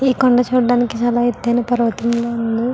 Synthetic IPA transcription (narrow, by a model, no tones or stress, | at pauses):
iːkoɳɖɐt͡ʃuːɽɐɖaːnikit͡ʃaːlaːed̪ːɐjnɐpɐɾɐʋɐt̪ɐmlound̪u